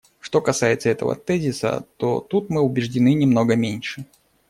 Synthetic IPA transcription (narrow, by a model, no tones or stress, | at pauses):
ʂt̪o̞kɐsajɪt̪səɛt̪ə̰və̰t̪ɛzʲɪsə̰t̪o̞̰t̪ut̪mɨʊbʲɪʐdʲɪnɨnʲɪmno̞ɡəmʲenʲʂɨ